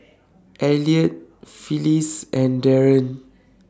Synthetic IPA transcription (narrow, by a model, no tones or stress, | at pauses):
ʔɛliət̚filisɛ̃ndɛɹə̃n